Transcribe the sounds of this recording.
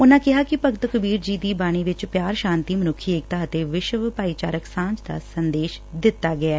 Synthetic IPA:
ʊnãːkɪɦaːkɪpəɡt̪kəbiːɾd͡ʒiːd̪iːbaːɽ̃iːʋɪt͡ʃpjaːɾʃãːnt̪iːmənʊkʰːiːɪk̚t̪aːət̪eːʋɪʃʋpaːiːt͡ʃaːɾəksãːɲd͡ʒd̪a̰ːsənd̪eːʃd̪ɪt̪ːaːɡɪaː

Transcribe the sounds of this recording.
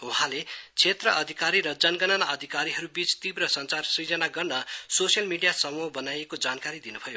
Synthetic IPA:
uɦãlet͡sʰet̪rʌʔʌd̪ʱikaɾiɾʌd͡zʌnɡʌnʌnaʌd̪ʱikaɾiɦʌɾubit͡st̪ibrʌsʌnt͡sarsid͡zʌnaɡʌrnʌsosjʌlmiɖijasʌmubʌnajekod͡zankaɾid̪inubʱʌjo

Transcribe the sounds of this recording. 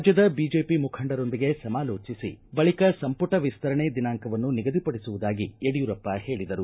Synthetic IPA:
d͡ʒjɐd̪ɐbiːd͡ʒe̞ːpimukʰɐɳɖɐɾo̞nd̪iɡe̞sɐmaːloːt͡ʃisḭbɐɭikɐsɐmpuʈɐʋist̪ʰɐɾɐɳed̪inaːŋkɐʋɐnːuniɡɐd̪ipɐɽisuʋud̪aːɡieɽijuɾɐpːɐhe̞ːɭid̪ɐɾu

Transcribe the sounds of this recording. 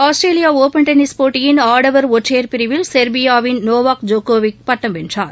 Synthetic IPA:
aːsʈɾeːlijaːoːpɛɳʈɐnɪspoːʈːɪjɪnaːɽɐʋɐɾɔʈreːɾpɪɾɪʋɪlsɛɾbɪjaːʋɪnnoːʋaːkd͡ʒoːkoːʋɪk̚pɐʈːɐmʋɛndra̰ːɾ

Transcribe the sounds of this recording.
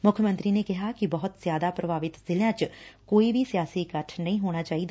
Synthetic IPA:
mʊkʰjəmə̃nt̪ɾiːneːkɪɦaːkibəɦʊt̪zjaːd̪aːpɾəbʱaːʋɪt̪zɪljãːt͡ʃkoːibʱisijaːsiːkəʈʰnəĩɦoːɽ̃aːt͡ʃaːiːd̪a

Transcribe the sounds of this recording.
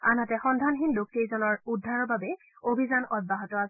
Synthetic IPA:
anatɛxɔndʱanxinlok̚tezɔnɔɹudʱːaɹɔɹbabɛ | obʱizanɔd̚baɦɔtɔas

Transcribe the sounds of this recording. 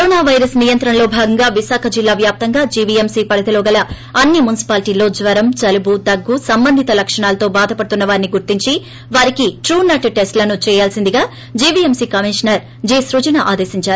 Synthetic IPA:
kɐɾoːnaːʋɐjɾɐsnijɐnt̪ɾɐnlo̞ːbʱaːɡɐŋɡaːʋisaːkʰɐd͡ʒilːaːʋjaːp̚t̪ɐŋɡaːd͡ʒiːbiemsiːpɐɽɐt̪ɐlɔːɡɐlɐ | ɐnːimunisi̥paːliʈiːlo̞ːd͡ʒʋɐɾɐmt͡ʃɐlubud̪ɐɡːusɐmbɐnd̪ʱit̪ɐlɐkʂɐɳaːlɐt̪o̞ːbaːd̪ʱɐpɐɽut̪unːɐʋaːɾiniɡuɾt̪iɲt͡ʃi | ʋaːɾikiʈɾuːnɐʈʈesʈlɐnut͡ʃɛːjaːlsind̪iɡaː | d͡ʒiːbiːemsiːkɐmiʂɐnɐɾ | d͡ʒiːsɾud͡ʒɐnaʔaːd̪eːsiɲt͡ʃaːɾuu

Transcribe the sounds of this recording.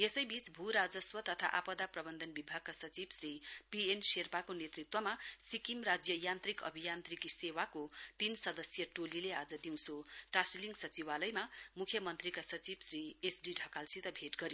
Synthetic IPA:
esʌjbit͡sbʱuɾad͡zʌswʌt̪ʰʌt̪ʰa̰ʔapʌd̪aprʌbʌnd̪ʱʌnbibʱaɡ̚kasʌt͡sibsripienserpakonet̪rit̪wʌmasikimrad͡zjʌjant̪rikʌ̰bʱijant̪rikisewakot̪insʌd̪ʌsjʌʈolilead͡zʌd̪iw̃sʰoʈasliŋɡsʌt͡siwalʌjmamukʰjʌmʌnt̪rikasʌt͡sibsriesɖiɖʱʌkalsit̪ʌbʱeʈɡʌɾjo

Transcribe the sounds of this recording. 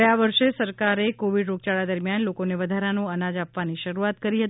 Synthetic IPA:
əjaʋəɾʃesəɾkaɾekoʋiɖɾok̚t͡ʃaɭad̪əɾmjanlokoneʋəd̪ʱaɾanoənad͡ʒapʋaniʃəɾuat̪kəɾiɦət̪

